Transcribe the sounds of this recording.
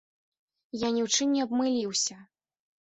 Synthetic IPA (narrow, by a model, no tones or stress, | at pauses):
janʲiwt͡ʂɨmnʲɛɐbmɨlʲiwsʲɐ